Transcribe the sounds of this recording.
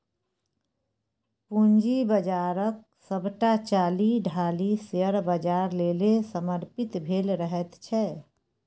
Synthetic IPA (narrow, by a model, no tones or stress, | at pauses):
pund͡ʒibəd͡ʒaːɾək̚səbʱʈat͡ʃaːliɖʱaːlisjəɾbəd͡ʒaːɾlelesəməɾpɪt̪bʱeːlɾəɦɛt̪t͡ʃʰɛ